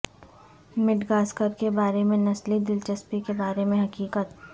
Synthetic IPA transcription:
mɪʈɡaːskəɾkebaːɾemẽnɐslid̪ɪlt͡ʃɐspikebaːɾemẽɦɐkiːkət̪

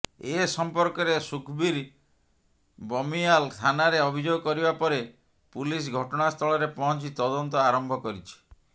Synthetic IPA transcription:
esɔmpɔɾkɔɾesukʰbiɾ | bɔmialt̪ʰanaɾeɔbʱid͡ʒoɡɔkɔɾibapɔɾe | pulis̬ɡʱɔʈɔɽ̃ast̪ʰɔɭɔɾepɔɦɔ̃nt͡ʃit̪ɔd̪ɔnt̪ɔaɾɔmbʱɔkɔɾit͡ʃʰi̥

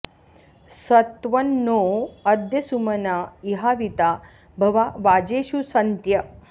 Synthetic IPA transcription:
sɐt̪ʋɐnːoːɐd̪jɐsumɐnaiɦaːʋit̪a | bʱɐʋaʋaːd͡ʒeːʃusɐnt̪jɐ

